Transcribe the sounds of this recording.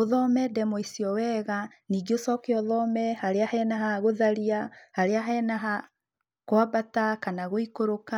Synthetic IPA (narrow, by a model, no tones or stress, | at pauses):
oðɔmɛdɛmoisiɔwɛːɣa | niːɡeosɔkeɔðɔmɛhaɾeahɛːnaɦaɣoðaɾiahaɾeaɦɛnaɦa | kwabatakanaɣoikoɾoka